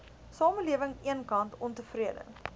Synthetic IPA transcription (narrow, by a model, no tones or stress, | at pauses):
sɑːməliəvəŋiənkɐntɔntəfriədə̰